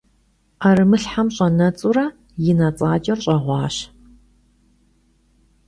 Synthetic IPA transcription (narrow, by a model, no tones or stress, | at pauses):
aɾɨmɨɬħamɕʼɐnɐt͡sʼurɐ | jɪnat͡sʼaːt͡ʃʼɐrɕʼɐʁʷɑːɕ